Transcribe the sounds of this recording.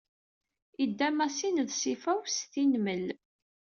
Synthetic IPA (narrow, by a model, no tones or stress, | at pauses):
id̪ːæmæsinəðsifæwst̪inməl